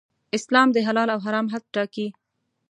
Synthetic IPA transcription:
ɪslɑmd̪əɦalɑlawɦaɾɑmɦad̪̚ʈɑki

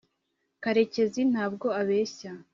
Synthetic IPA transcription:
kaɾe̞ce̞zin̥haːb̚ɡo̞aβe̞ːça

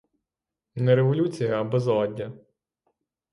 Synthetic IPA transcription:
nɛɾeʋɔlʲut͡sʲijɐɐbɔzˠɔdʲːɐ

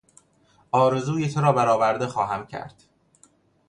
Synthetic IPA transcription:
ɒːɾe̞zuːjet̪ʰoɾɒːbæɾɒːvæɾd̪e̞xɒːɦæmcʰæ̰ɾd̪̥

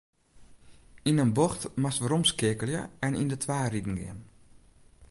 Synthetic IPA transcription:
inənboxtmastʋəromskɪəkəlˠjəɛnḭndətʰʋaːridn̩ɡɪ̰ən

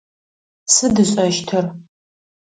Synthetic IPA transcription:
sɨdɨɕʼɐʃtʰɨr

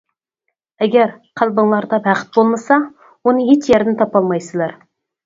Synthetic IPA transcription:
ɛɡʲæɾ | qʰælˠbɨŋlˠɑɾd̪ɑbæχɪ̥t̪̚bolˠmɨsɑ | wonɨɦet͡ʃjæɾd̪ɪnt̪ʰɑpɑlˠmɑjsɨlˠɑɾ

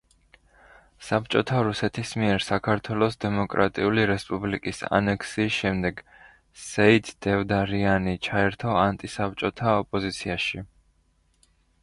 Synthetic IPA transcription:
sap̚t͡ʃʼɔt̪ʰaɾusɛt̪ʰismiɛɾsakʰaɾt̪ʰwɛlˠɔsd̪ɛmɔkʼɾʔa̰t̪ʼiuliɾɛspʼublikʼisa̰nɛkʰsiːsʃɛmd̪ɛɡ | sɛid̪d̪̥ɛvd̪aɾianit͡ʃʰaɛɾt̪ʰɔant̪ʼisap̚t͡ʃʼɔt̪ʰaɔpʼɔzit̪sʰiaʃi

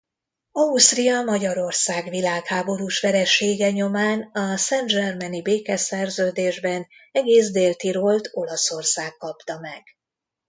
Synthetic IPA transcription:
ɒust̪rijɒmɒɟɒɾo̞rsaːɡʋilaːkhaːbo̞ɾuːʃʋɛɾɛʃeːɡɛɲo̞maːnɒsɛnd͡ʒɛrmɛnibeːkɛsɛrzøːd̪eːʒbɛnɛɡeːzd̪eːlt̪iɾolt̪o̞lɒso̞rsaːkːɒpt̪ɒmɛɡ̥

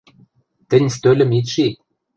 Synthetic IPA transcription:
t̪ɘ̆nʲst̪ølʲɘ̆mit̪ʃi

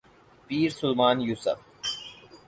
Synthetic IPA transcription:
piːɾsʊlmaːnjuːsə̰f

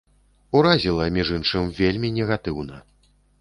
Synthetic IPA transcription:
uɾazʲilˠɐmʲiʐɨnʂɨmvʲelʲmʲinʲɛɣat̪ɨwnɐ

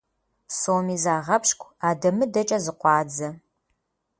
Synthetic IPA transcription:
soːmiːzaːʁɐpɕkʷʰʼaːdɐmɨdɐt͡ʃʼɐzɨqʷɑːd͡zɐ

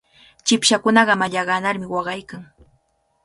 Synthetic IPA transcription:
t͡ʃɪpʃakʊnɑɢɑmaʎɑɢɑnaɾmɪwɑɢɑjkaŋ

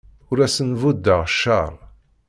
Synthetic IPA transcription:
ʊɾæsənvud̪ːəʁʃːɑɾˤ

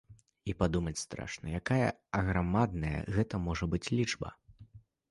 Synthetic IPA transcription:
ipad̪umɐt͡sʲst̪ɾa̰ʂnɐjakajɐ̰ɐɣɾamad̪̚nɐjɐ̰ɣɛt̪ɐmɔʐɐbɨt͡sʲlʲid͡ʐbɐ̰

